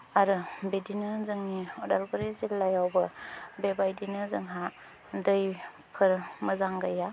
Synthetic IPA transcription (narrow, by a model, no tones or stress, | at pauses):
aɾɯbedinɯzɯŋniɔdalbɯɾizilːajawbɐbebajdinɯzɯŋɦa | dɯj | pʰɯɾməzaŋɡaja